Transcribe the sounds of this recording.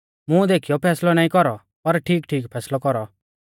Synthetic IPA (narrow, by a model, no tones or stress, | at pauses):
mũd̪eːkʰijɔpʰɛːslɔnaːĩkɔɾɔ | pɐɾʈʰiːk̚ʈʰiːkpʰɛːslɔkɔɾɔ